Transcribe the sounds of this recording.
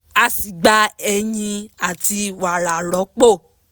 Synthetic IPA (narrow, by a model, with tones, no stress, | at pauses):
a˧si˨ɡ͡ba˨˦ɛ˧jĩ˧a˨ti˧wa˨ɾa˨ɾɔ˨˦k͡po˦˨